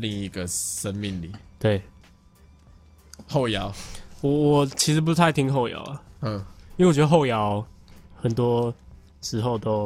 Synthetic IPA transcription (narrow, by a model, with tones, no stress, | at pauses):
li˥˨˩ŋi˧˦ɡə˨ʂə˦nmi˥˨ŋlḭ˨˩˦t̪we˥˨˩ɪ | xo˥˨ʊja˨˦ʊwɔ˨˩wɔ˨˩t͡ɕʰi˧˥ʂɻ̩˧˥p̬u˧˥t̪ʰa˥˩ɪt̪ʰi˧˥ŋɦo˥˩ʊja̰˨˦ʊlə˨ə˥˨i˥e˨˩t͡ɕɥɛ˧˥də˧ɦo˥˩ʊjɑ˦ʊxə˨˩nt̪wɔ˦˥ | ʂɻ̩˧˥xo˥˨ʊt̪o˦ʊ